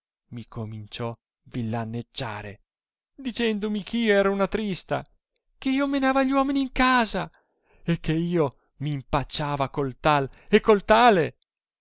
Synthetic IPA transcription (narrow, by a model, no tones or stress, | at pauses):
mikomint͡ʃɔ | vilːanːed͡ʒːa̰ːɾḛ | d̪it͡ʃɛnd̪omikʰeiːoɛːɾaunat̪ɾist̪a̰ | keiːomenaːvaʎːwɔːminiːŋkaːza | ekʰːeiːo | mimpat͡ʃːaːvakolt̪alekːolt̪aːle